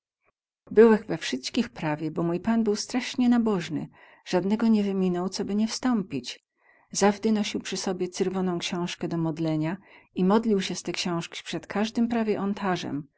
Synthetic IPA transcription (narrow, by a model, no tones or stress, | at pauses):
bɘwɛxvɛfʂɘst̪kʲixpɾavʲjɛbɔmujpanbɘwst̪ɾaʂɲɛnabɔʐnɘ̰ | ʐ̥ad̪nɛɡɔɲɛvɘmʲinɔwt̪sɔbɘɲɛfst̪ɔmpʲit͡ɕ | zavd̪ɘnɔɕiwpʂɘsɔbʲjɛt̪sɘɾvɔnɔ̃w̃kɕɛ̃w̃ʂkɛd̪ɔmɔd̪lɛɲaimɔd̪lʲiwɕɛst̪ɛkɕɔ̃w̃ʂkʲi̥pʂɛt̪kʰaʐd̪ɘmpɾavʲjɛʔɔnt̪ʰaʐɛ̰m